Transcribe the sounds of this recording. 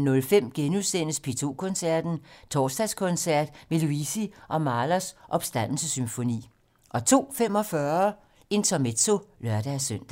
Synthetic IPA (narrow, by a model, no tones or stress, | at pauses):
nɔ̽lfem̰ɡ̥enuðˠsen̰əspʰet͡sʰo̝̰ːkʰɔ̽nsæɐ̰d̥n̩t͡sʰɒ̰ːsd̥æskʰɔ̽nsæɐ̰d̥me̝luisiʔɒ̽mɑ̈ːlɐsʔɒ̽b̥sd̥æn̰l̩səsymfo̝nḭː | ʔɒ̽t͡sʰo̝̰ːfem̰ɒ̽fɶɐ | e̝nt͡sʰɒme̥t͡so̝lɶɐ̰d̥æsœn̰d̥æ